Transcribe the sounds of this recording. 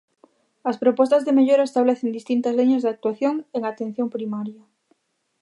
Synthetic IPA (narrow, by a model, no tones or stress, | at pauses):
ɐspɾopɔst̪azðemeʎoɾaest̪aβleθend̪ist̪int̪azliɲazðak̚t̪waθjoŋeŋat̪ẽn̟θjompɾimaɾjɐ